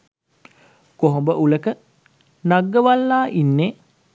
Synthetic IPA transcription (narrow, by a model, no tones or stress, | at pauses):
koɦombəʔuləkə | naɡːəʋalːaːʔinːe